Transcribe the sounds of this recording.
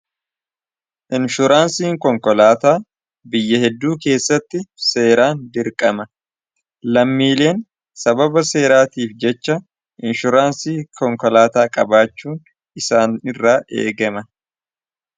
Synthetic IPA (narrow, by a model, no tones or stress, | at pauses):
ʔɪnʃʊɾaːnsiːŋkɔŋkɔlaːt̪aː | bɪjːɐhɛd̪ːuːke̞ːsːɐt̪ːɪse̞ːɾaːnd̪ɪɾkʼɐmɐ | lɐmːiːle̞ːn | sɐbɐbɐse̞ːɾaːt̪iːfd͡ʒɛt͡ʃːɐ | ʔɪnʃʊɾaːnsiːkʰɔŋkɔlaːt̪aːkʼɐbaːt͡ʃːuːn | ɪsaːnɪrːaːʔḛːɡɐmɐ